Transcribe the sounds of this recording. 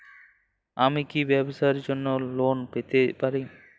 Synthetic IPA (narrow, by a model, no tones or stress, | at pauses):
amikibɛbosaɾd͡ʒonːolonpet̪epaɾi